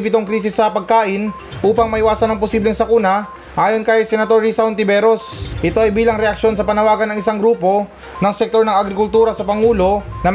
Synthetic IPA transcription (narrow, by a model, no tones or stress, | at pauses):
pɪt̪o̞ŋkɾiːs̬ɪsːɐpɐɡ̚kaːʔɪn | ʔuːpɐŋmɐʔɪwaːsɐnɐŋpʊsiːblɛŋsɐkunɐ | ʔaːjo̞nkɐjsɛnɐt̪o̞ɹisaont̪ɪbɛɾo̞sʔɪt̪o̞ʔɐjbiːlɐŋɾɛʔɐkʃo̞nsɐpɐnɐwaːɡɐnɐŋɪsaŋɡɾuːpo̞ | nɐŋsɛk̚t̪oɾnɐŋɐɡɾɪkʊlt̪uːɾɐsɐpɐŋuːlo̞nɐm